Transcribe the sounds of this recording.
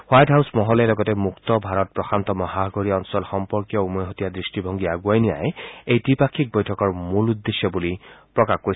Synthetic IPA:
hwajdɦawsmɔɦɔlalɔɡɔtemukt̪ɔbʱaɹɔt̚pɹɔxʰant̪ɔmɔɦaɡoɹiɔnsɔlxɔmpɔɹkjɔumɔjɦɔtijadɹisʈibʱɔŋɡiaɡwajnija̰eejtipakʰːik̚bɔjtʰɔkɔɹmulud̪ːesjɔbulipɹɔkaxkoi

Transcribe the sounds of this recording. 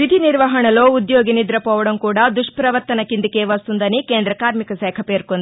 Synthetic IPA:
ʋid̪ʱiniɾʋɐɦɐɳɐloːud̪joːɡinid̪ɾɐpɐʋɐɽɐmkuːɽɐd̪uʂpɾɐʋɐɾt̪ɐnɐkːind̪ikeːʋɐst̪und̪ɐnikeːnd̪ɾɐkaːɾmikɐsɛːkʰɐpeːɾkond̪

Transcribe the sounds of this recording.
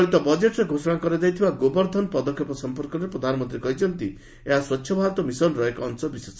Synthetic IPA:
ɭit̪ɔbɔd͡ʒeʈɾeɡʱosɔɽ̃akɔɾed͡ʒ̪ajt̪ʰibaɡobɔɾd̪ʱɔnpɔd̪ɔkʰjɔpɔsɔmpɔɾkɔɾepɾɔd̪ʱanɔmɔ̃nt̪ɾikɔɦit͡ʃʰɔnt̪i | eɦaswɔtːʰjɔbʱaɾɔt̪ɔmisɔnɾɔekɔnsɔbises

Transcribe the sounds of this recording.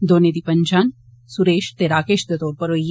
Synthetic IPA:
d̪oːned̪ipɐɲd͡ʒaːn | suɾeːʃt̪eɾaːkeːʃd̪ɐt̪oːɾpɐɾoːj

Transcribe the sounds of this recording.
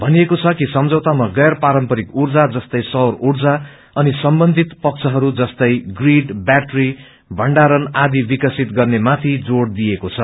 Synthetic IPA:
bʱʌnijekot͡sʰʌkisʌmd͡zʌwt̪amaɡʌjrpaɾʌmpʌɾikurd͡zad͡zʌst̪ʌjsʌrurd͡za | ʌnisʌmbʌnd̪ʱit̪pʌk̚t͡sʰʌɦʌɾud͡zʌst̪ʌjɡriɖbaʈri | bʱʌɳɖaɾʌnad̪ibikʌsit̪ɡʌrnemat̪ʰid͡zoɽd̪ijekot͡sʰʌ

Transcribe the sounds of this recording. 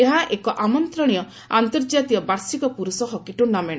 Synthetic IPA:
eɦaʔekɔʔamɔnt̪ɾɔ̃ijɔ | ant̪ɔɾd͡ʒat̪iɔbaɾsikɔpuɾusɔɦɔkiʈunamẽa

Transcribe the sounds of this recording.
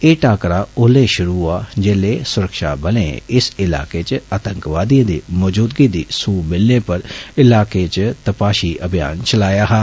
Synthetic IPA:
eːʈaːkɾaːʊlẽːʃʊɾuːaːd͡ʒeːleːsʊɾəkʃa̰ːbəlḛ̃ːɪsɪla̰ːkeːt͡ʃəat̪əŋkʋaːd̪iãːd̪ḭːmɔːd͡ʒuːd̪ɡiːd̪iːsuːmɪlneːpəɾɪlaːkeːt͡ʃt̪əpaːʃiːʔəbɪja̰ːnt͡ʃəlaːjaːɦaː

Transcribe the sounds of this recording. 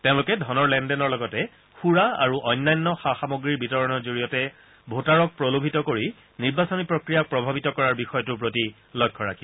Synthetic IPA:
teʊ̃lukɛdʱɔnɔɹlɛndɛnɔɹlɔɡɔtɛ | xuɹaa̰ɹuʔɔjnːajnːɔxaxamoɡɹiɹbitɔɹɔnɔzoɹijɔtɛ | bʱotaɹɔk̚pɹolobʱitɔkoɹi | niɹbasonipɹokɹijak̚pɹɔbʱabitɔkɔɹaɹbixɔjɔtup̬ɹoti | lɔjkʰːɔɹakʰi

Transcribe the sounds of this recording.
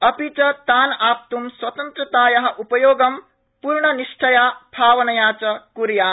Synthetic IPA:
ɐpit͡ʃɐt̪aːnaːp̚t̪umswɐt̪ɐnt̪ɾɐt̪aːjɐɦɐ̆ʔupɐjoːɡɐm | puɾɳɐniʂʈʰɐjaːbʱaːʋɐnɐjaːt͡ʃɐkuɾjaː

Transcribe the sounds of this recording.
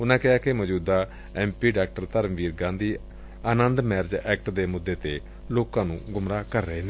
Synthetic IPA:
ʊnãːkɪɦaːkeməd͡ʒuːd̪aː | ɛːmpiːɖaːk̚ʈəɾt̪əɾmʋiːɾɡãːd̪iː | aːnənd̪mɛːɾd͡ʒɛːk̚ʈd̪eːmʊd̪ːeːt̪eː | loːkãːnũːɡʊmɾaːkəɾːəeːneː

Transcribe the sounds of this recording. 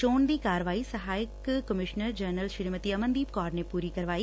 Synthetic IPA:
t͡ʃoːnd̪iːkaːɾəʋaːisɐɦaːjɪkːəmɪʃnəɾd͡ʒɐɾnəlʃɪɾmət̪iɐmə̃nd̪iːbkɔːɾnepuːɾikɐɾʋaːi

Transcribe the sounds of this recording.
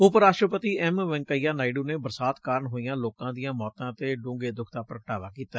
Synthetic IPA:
ʊpəɾaːʃʈɾəpət̪iːɛːmʋɛ̃ŋkəiːaːnaːiɖuːneːbəɾsaːt̪kaːɾəɳɦoːijãːloːkãːd̪ɪjãːmɔːt̪ãːt̪eːɖõːŋɡeːd̪ʊkʰt̪aːpɾəkəʈaːʋaːkiːt̪aː

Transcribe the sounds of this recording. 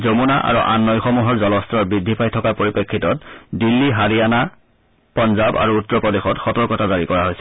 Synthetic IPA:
zomunaʔa̰ɹuʔa̰nːɔjxɔmuɦɔɹzɔlɔstɹɔɹbɹidʱːipʰajtʰɔkapoɹipekʰːitɔtdilːiɦaɹiana | pɔnzaba̰ɹuːtːɹɔpɔdexɔtxɔtɔɹkɔtazaɹikɔɹaɦojsɛ̥

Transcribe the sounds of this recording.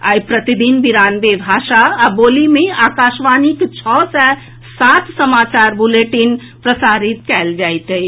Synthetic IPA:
a̰ːipɾət̪id̪inbiɾaːnbebʱaːʃaboːlimẽaːkaːʃʋaːnikt͡ʃʰɔːsɛ | saːt̪ʰsəmaːt͡ʃaːɾbuleːʈin | pɾəsaːɾɪt̪̚kɛːld͡ʒaːit̪ɦe

